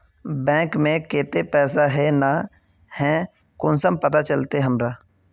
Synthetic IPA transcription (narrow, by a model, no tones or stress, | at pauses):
bɛ̃ːkmẽkeːt̪epɛːsaɦɛna | hɛ̃ː | kʊnsəmpət̪at͡ʃəlt̪eɦəmɾaː